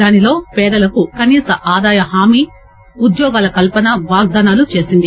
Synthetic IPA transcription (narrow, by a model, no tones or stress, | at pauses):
aːnilo̞ːpɛːd̪ɐlɐkukɐniːsɐʔaːd̪aːjɐɦaːmi | ud̪jɔːɡaːlɐkɐlpɐnɐʋaːɡ̚d̪aːnaːlut͡ʃe̞ːsind̪i